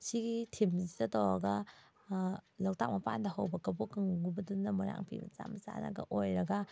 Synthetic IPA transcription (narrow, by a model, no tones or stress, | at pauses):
siɡitʰimzitɐtawa̰ɡɐ | lawtak̚mɐpandɐɦawbɐkɐbɔkɯŋɡubɐdunːɐmuɾa̰ŋpʰḭmɐ̰t͡ʃa̰mɐt͡ʃa̰nɐ̰ɡɐ̰ʔojɾɐɡɐ